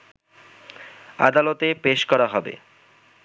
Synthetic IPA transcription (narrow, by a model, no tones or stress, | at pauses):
a̰d̪alot̪epeʃkɔɾaɦɔbḛ